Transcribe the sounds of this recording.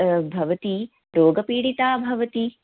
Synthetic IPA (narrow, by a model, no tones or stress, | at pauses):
bʱɐʋɐt̪i | ɾoːɡɐpiːɽit̪aːbʱɐʋɐt̪i